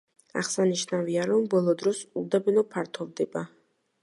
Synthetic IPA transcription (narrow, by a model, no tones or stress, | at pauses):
a̰χsaniʃnaviaɾɔmbɔlˠɔd̪ɾɔsuld̪abɛnɔpʰaɾt̪ʰɔvd̪ɛba